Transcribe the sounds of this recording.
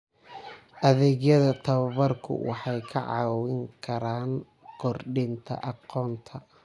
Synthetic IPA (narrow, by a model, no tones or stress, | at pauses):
ʔɐðɛːɡjɐðɐt̪ʰɐβɐβɐrkʰʊ̰wɑ̰ħɑjkʰɐ̰ʕɑ̰ːwɪŋkʰɐɾaːŋ | kʰɔrɖɪnt̪ʰɐ̰ʔɑqɔːnt̪ʰɐ